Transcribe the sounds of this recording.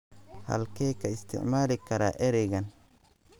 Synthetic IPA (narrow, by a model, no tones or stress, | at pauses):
hɐ̰lkʰɛːkʰɐɪst̪ʰɪ̰ʕmaːlɪkʰɐɾa̰ːʔɛɾɛɣɐn